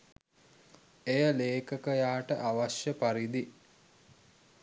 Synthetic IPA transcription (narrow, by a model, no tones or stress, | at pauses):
ejəleːkəkəjaːʈəʔaʋaʃjəpaɾid̪i